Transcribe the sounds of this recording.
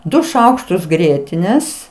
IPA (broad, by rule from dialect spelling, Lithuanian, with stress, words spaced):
ˈdʊ ˈʃɐʊkʃtʊs ˈɡrʲiɛtʲɪnʲeːs